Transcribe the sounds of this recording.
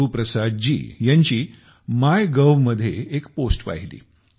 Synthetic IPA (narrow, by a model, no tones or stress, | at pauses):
upɾəsad̪̚d͡ʑḭːjaɲt͡ɕiː | majɡəʋməd̪ʱːjḛekposʈpa̰ɦilḭː